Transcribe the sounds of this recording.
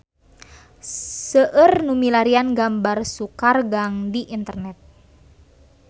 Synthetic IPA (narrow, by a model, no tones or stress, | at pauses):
səʔərnumilaɾianɡambarsukarɡaŋdiʔint̪ərnɛt̪̚